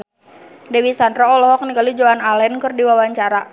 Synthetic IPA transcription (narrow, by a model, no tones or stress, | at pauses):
dɛwisandɾɔɔlɔɦɔk̚nikalud͡ʒoanalɛnkɨrdiwawaɲt͡ʃaɾa